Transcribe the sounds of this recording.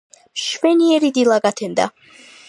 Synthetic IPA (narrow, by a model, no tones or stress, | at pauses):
ʃvɛniɛɾid̪ilˠaɡat̪ʰɛnd̪a̰